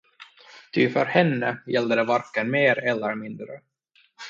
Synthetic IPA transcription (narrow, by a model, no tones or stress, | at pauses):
t̪ʰʏfœɾhɛnːəjɛld̪əd̪ɛvaɾkənmeːɾɛlːəɾmɪnd̪ɾə̰